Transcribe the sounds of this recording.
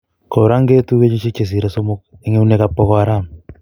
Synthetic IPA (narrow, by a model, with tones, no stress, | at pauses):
ko˨ɾa˦ŋɡe˦tu˦ke˦ɲe˦t͡ʃe˦t͡ʃe˨s̬i˨ɾa˨so˦mo˦k̚e˦ŋe˦u˦ne˦ka˦pːo˦kɔ˦aɾa˦˨m